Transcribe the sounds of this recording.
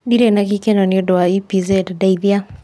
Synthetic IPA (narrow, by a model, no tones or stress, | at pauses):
diɾenakikenɔniodɔaipizɛddaiðia